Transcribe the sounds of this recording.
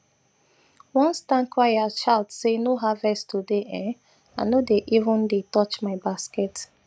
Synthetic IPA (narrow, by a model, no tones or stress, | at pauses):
wɔ̃nstãnkʰwajaʃaɪldsenoɦavɛstʰudeʔɛ̃ | a̰nodeʔivə̃ndetɔt͡ʃmaɪbaskɛt